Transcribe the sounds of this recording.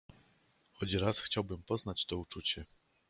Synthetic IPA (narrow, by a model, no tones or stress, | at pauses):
xɔd͡ʑɾasxt͡ɕawbɘmpɔznat͡ɕt̪ɔut͡ʂut͡ɕɛ